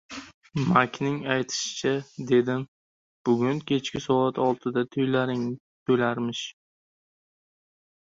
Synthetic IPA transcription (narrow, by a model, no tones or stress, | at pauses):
makʲʰnɪŋajt̪ʰɪ̥ʃɪ̥t͡ʃʰad̪e̞d̪ɪm | b̥ʊɡʲʊnkʲʰe̞t͡ʃkʲɪsɒat̪ʰɒlˠt̪ʰɪd̪at̪ʰʊjlaɾɪŋ | t̪ʰɵjlaɾmɪʃ